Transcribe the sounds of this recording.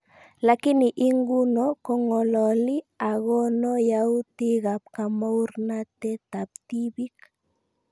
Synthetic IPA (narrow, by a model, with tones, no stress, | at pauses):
la˨ki˦ni˨ʔi˦ŋɡu˦nɔ˨kɔ˦ŋɔ˨lɔ˨li˦a˨ɣɔ˦nɔ˦ja˦u˦ti˦ɣa˨p̚ka˨ma˦u˦ɾna˦t̪ɛ˦t̪a˨p̚t̪i˦bi˦k